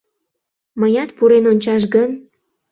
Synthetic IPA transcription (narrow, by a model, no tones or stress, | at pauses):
məjɑt̪puɾenonʲt͡ɕɑʃɡən